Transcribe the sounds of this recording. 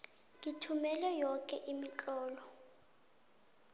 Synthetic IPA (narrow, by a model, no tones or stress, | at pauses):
ŋitʰumɛlɛjɔkʼɛʔimit͡ɬʼɔːlɔ